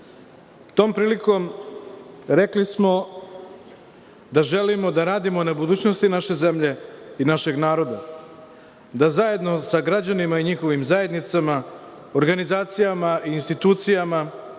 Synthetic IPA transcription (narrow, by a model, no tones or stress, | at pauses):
t̪o̞ːmpɾiːliko̞m | ɾe̞klismo̞ | d̪aʒe̞limo̞d̪aɾaːd̪imonebud̪uːt͡ɕno̞st̪inaʃe̞ze̞mʎe̞inaʃe̞ɡnaːɾo̞d̪a̰ | d̪azaje̞d̪no̞saɡɾad͡ʑanimaiɲixo̞ʋimzaje̞d̪nit̪sama | oɾɡanizaːt̪sijamaʔiːnst̪it̪uːt̪sijama